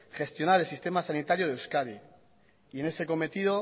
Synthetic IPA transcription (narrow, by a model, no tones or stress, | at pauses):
χe̞st̪jo̞naɾelsist̪e̞masanit̪aɾjoð̞eewskaɾi | ie̞ne̞se̞ko̞me̞t̪iðo̞